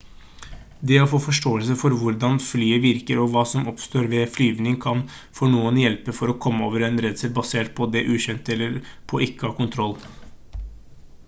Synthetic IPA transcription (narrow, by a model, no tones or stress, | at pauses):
d̪ɛɔfoːfɔʂʈoːəlsəfɔɾʋʊɾd̪ɑnflyːəʋɪɾkəɾɔʋɑːsɔmɔpst̪oːɾʋɛflyːʋnɪŋkʰɑn | fɔɳuːənjɛlpəfɔɾɔkʰɔmːəoːʋəɾɛnɾɛd̪səlbɑseːʈ̚pʰɔd̪ɛʔʉːɕɛnt̪ɛlːəɾpʰɔʔɪkːəhɑːkʊnt̪ʰɾɔlː